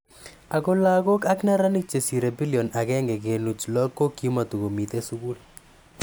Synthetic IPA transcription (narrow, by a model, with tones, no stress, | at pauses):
a˨ko˦la˦ko˦ka˦kna˦ɾa˦ni˦k̚t͡ʃe˨si˨ɾe˨bi˦liɔ˨na˨kɛ˦ŋɡɛ˨ke˨nu˨t͡ʃlɔ˦kːo˦kːji˦ma˨t̪u˨ko˨mi˨t̪e˦su˦ku˦l